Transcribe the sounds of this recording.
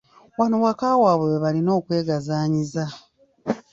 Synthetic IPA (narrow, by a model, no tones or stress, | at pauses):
wanowakaːwaːβeweβalino̞ːkwe̞ːɡazaːɲiza